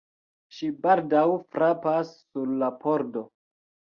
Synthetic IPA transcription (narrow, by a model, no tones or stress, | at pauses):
ʃibaldawfɾapasːuɾlapʰoɾdo